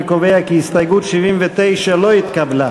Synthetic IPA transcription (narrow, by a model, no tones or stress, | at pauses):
kovejakiist̪ajɡut̪ʃivimvet̪ejʃelo̞it̪kabla